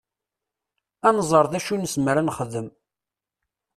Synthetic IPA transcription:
ænzˤəɾˤðæʃunsmɾænχəðəm

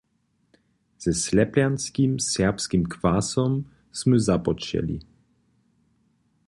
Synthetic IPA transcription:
z̥ɛslɛpljanskimsɛɐpskimkvasɔm | sməzapɔt͡ʃɛ̰lḭ

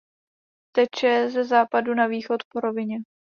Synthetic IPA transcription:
t̪ɛt͡ʃɛzɛzaːpadunaviːxot̪poɾo̞vɪɲɛ

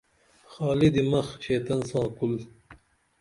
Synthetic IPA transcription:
xɑːlid̪imɐxɕeːt̪ɐnsɑ̃ːkul

